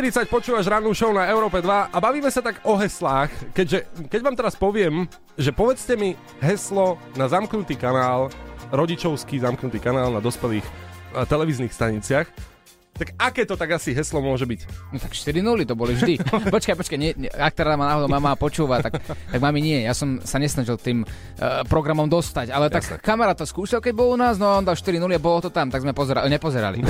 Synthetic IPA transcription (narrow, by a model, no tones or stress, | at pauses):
ʃt̪iɾit͡sac̚pɔt͡ʃuːʋaʒɾaːnuʃɔʊnaɛʊɾɔːpɛd̪ʋaʔabaʋiːmɛsat̪aɡɔɦɛslaːxkɛɟʒɛkɛɟʋaːmt̪ɛɾaspɔʋɪɛm | ʒɛpɔʋɛt͡scɛmi | ɦɛslɔnazamknut̪iːkanaːlɾɔɟit͡ʃɔʊskiːzamknut̪iːkanaːlnad̪ɔspɛliːxt̪ɛlɛʋizniːxst̪aɲit͡sɪax | t̪aɡakɛːt̪ɔt̪aɡasiɦɛslɔmʊɔʒɛbicnɔt̪akʃt̪iɾinulit̪ɔbɔlivʒd̪ipɔt͡ʃkajpɔt͡ʃkaɲɛak̚t̪ɛɾamaːnaːɦɔd̪ɔʊmamapɔt͡ʃuːʋat̪akt̪aɡmamiɲɪɛjasɔmsaɲɛsnaʒilt̪iːm | pɾɔɡɾamɔmd̪ɔst̪acalɛt̪akːamɛɾaːt̪ːɔskuːʃilkɛɟ̚bɔlunaːznɔaɔːnd̪alʃt̪iɾinuliabɔlɔt̪ɔt̪amt̪aɡzmɛpɔzɛɾaɲɛpɔzɛɾa̰lḭ